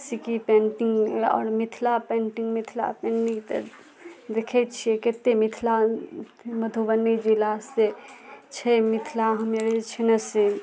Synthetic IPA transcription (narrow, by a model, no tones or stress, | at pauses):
sikipẽɳʈiŋɡɔ̰ːɾmit̪ʰlapẽɳʈiŋɡmit̪ʰla̰penʈĩŋt̪ə̰ | d̪ekʰɛt̪̚t͡ʃʰijɛket̪emit̪ʰla | məd̪ʱuʋənːid͡ʒilaset͡ʃʰɛmit̪ʰlaɦumeɾt͡ʃʰenəsi